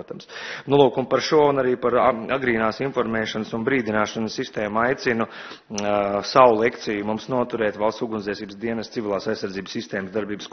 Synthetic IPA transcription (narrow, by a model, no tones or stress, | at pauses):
t̪amsnulˠuːkumpaɾʃuɔunaɾiːpaɾaɡɾiːnaːsinfɔɾmɛːʃansunbɾiːd̪inaːʃansːist̪ɛːmajt̪sinu | sawulˠekt̪sijumumsnuɔt̪uɾɛːt̪ʋalˠssuɡunzʲiɛsiːbəsd̪iɛnɛst̪sivʲilˠaːsajsːaɾd̪ziːbəsːist̪ɛːməsd̪aɾbiːbəsk